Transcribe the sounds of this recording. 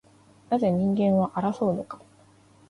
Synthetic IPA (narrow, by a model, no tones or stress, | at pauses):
naze̞ɲ̟ĩŋɡẽ̞ɰ̃βaʔaɾaso̞ːnokḁ